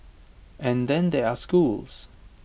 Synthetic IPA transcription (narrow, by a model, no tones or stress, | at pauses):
ʔɛ̃nd̪ɛ̃nd̪ɛaskuls